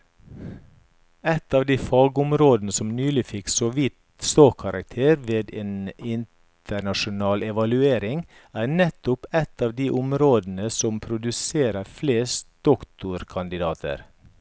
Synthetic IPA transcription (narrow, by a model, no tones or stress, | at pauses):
ɛt̪ɑːʋd̪iːfɑːɡʊmɾoːd̪n̩əsɔmnyːlɪfɪksoːʋit̪ | st̪oːkʰɑɾʔɑk̚t̪ʰeːɾʋeːd̪eːnɪnt̪ʰəɳɑʃʊnɑːlʔɛʋɑlʉeːɾɪŋ | æːnɛt̪ʊpɛt̪ɑːʋd̪iːʔʊmɾoːd̪n̩əsɔmpʰɾʊd̪ʉseːɾəɾfleːst̪̚d̪̥ɔkt̪ʊɾkʰɑnd̪ɪd̪ɑːt̪ʰə̰ɾ